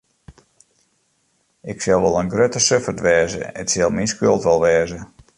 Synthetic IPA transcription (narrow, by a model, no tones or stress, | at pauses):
ʔɪksɛlˠʋɔlˠənɡrøtəsøfərtʋɛːzə̰ə̰tsɛlˠminskølˠtʋɔlˠʋɛːzə